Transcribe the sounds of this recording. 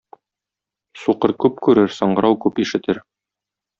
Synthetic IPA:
suqɤɾkʉp̚kʉɾɘɾsɤ̆ɴɢɤ̆ɾɑwkʉpiʃɘ̆t̪ɘɾ

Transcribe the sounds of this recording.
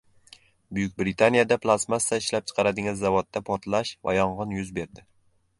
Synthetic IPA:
bʊjʊk̚ʲbɾɪt̪ʰanijad̪apʰlˠasmast̪aɪʃlap̚t͡ʃʰɨ̥qʰɑɾad̪ɪŋɪzːavot̪̚ːapʰɒɾt̪ʰlaʃva̰jɒɴʁɨnjʊzbe̞ɾd̪ɪ

